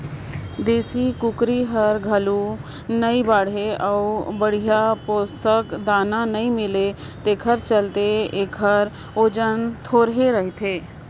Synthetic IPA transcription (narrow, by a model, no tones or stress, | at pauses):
d̪eːsikʊkɾiɦəɾɡʱəlu | nəibaːɽɦeəubəɽ̤ijapost̪əkd̪aːnanəĩmɪle | t̪eːkʰəɾt͡ʃəlt̪eeːkʰəɾ | oːd͡ʒənt̪ʰoːɾɦeɾəɦit̪ʰeː